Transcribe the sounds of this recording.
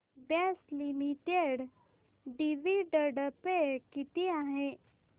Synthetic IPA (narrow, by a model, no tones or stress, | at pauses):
bɛslimiʈeɖ | ɖiʋiɖəɖəpekit̪iaɦe